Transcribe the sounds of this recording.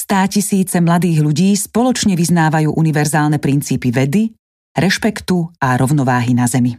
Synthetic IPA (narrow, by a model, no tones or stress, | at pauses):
st̪aːcisiːt͡sɛmlad̪iːɣʎuɟiːspɔlɔt͡ʃɲɛʋiznaːʋajuːʔuniʋɛɾzaːlnɛpɾint͡siːpiʋɛd̪i | ɾɛʃpɛkt̪uaɾɔʊnɔʋaːɦinazɛmi